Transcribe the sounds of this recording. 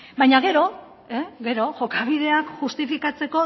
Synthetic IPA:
bajɲaɣ̞e̞ɾo̞ | eɣe̞ɾo̞ʝo̞kaβ̞ið̞e̞akʝust̪ifikat͡se̞ko̞

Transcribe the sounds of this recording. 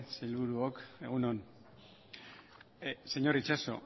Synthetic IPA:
sejlβuɾuoke̞ɣunon | se̞ɲo̞ɾit͡ʃaso̞̰

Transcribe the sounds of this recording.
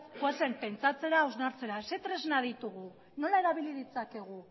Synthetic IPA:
kwase̞mpe̞nt͡sat͡se̞ɾaːwznaɾt͡se̞ɾase̞t̪ɾe̞znað̞it̪uɣu | no̞lae̞ɾaβ̞iliðit͡sake̞ɣ̞u

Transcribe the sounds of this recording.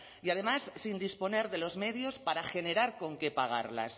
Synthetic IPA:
iað̞e̞masːind̪ispo̞ne̞ɾðe̞lo̞zme̞ðjo̞spaɾaxe̞ne̞ɾaɾko̞ŋke̞paɣ̞a̰ɾla̰s

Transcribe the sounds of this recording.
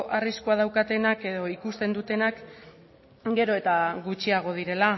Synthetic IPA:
ʔariskuað̞awkat̪e̞nake̞ðo̞ikust̪e̞nd̪ut̪e̞nak | ɡe̞ɾo̞e̞t̪aɣut͡ʃiaɣ̞o̞ð̞iɾe̞la

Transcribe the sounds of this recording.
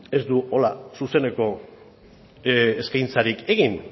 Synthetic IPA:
e̞zd̪uo̞lasuse̞ne̞ko̞ | eskajnt͡saɾike̞ɣin

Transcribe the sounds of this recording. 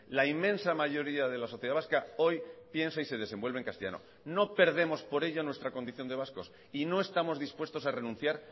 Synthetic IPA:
laimːẽ̞nsamaʝo̞ɾiaðe̞laso̞θjeðaβaskao̞jpje̞nsaise̞ð̞e̞se̞mbwe̞lβeŋkast̪eja̰no̰ | no̞pe̞ɾðe̞mo̞spo̞ɾe̞ʎonwe̞st̪ɾako̞nd̪iθjo̞nd̪easko̞s | ino̞e̞st̪amo̞zðispwe̞st̪o̞sare̞nũn̟θjaɾ

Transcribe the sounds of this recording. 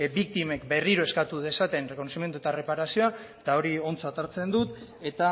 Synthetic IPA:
bik̚t̪ime̞kbe̞riɾoe̞skat̪uðe̞sat̪e̞nreko̞nosimjent̪uet̪are̞paɾasio̞a | t̪ao̞ɾio̞nt͡sat̪aɾt͡se̞nd̪ut̪e̞t̪a

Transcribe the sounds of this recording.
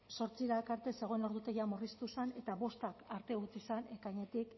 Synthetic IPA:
so̞ɾt͡siɾakaɾt̪e̞se̞ɣ̞o̞eno̞ɾðut̪e̞ɣiamurist̪usane̞t̪aβo̞st̪akaɾt̪e̞ɣut͡sisane̞kajɲe̞t̪ik

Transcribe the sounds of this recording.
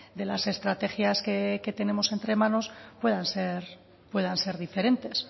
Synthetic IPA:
d̪e̞lase̞st̪ɾat̪e̞xjaskeke̞t̪e̞ne̞mo̞se̞nt̪ɾe̞mãno̞spwe̞ðanse̞ɾ | pwe̞ðanse̞ɾðife̞ɾe̞nt̪e̞s

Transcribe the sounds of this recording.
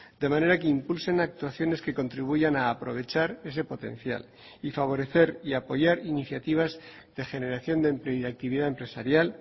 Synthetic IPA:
d̪e̞mãne̞ɾakeimpulse̞nak̚t̪waθjo̞ne̞ske̞ko̞nt̪ɾiβ̞uʝanaːpɾo̞̰β̞e̞t͡ʃaɾe̞s̬e̞po̞t̪ẽ̞̰nθja̰l | ifaβ̞o̞ɾe̞θe̞ɾiapo̞ʝaɾiniθjat̪iβ̞az | ð̥e̞xe̞ne̞ɾaθjo̞nd̪empleoiðak̚t̪iβiðaempɾe̞saɾjal

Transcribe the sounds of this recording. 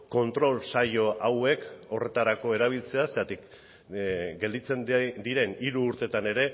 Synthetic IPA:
ko̞nt̪ɾo̞lsaʎo̞awe̞ko̞re̞t̪aɾako̞e̞ɾaβ̞ilt͡se̞aset̪at̪ik | ɡe̞ld̪it͡se̞nd̪iɾe̞niɾuːɾt̪e̞t̪ane̞ɾe̞

